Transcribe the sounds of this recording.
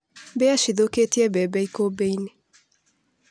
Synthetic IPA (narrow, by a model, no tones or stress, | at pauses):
bɛaʃiðoketiɛbɛbɛikobeine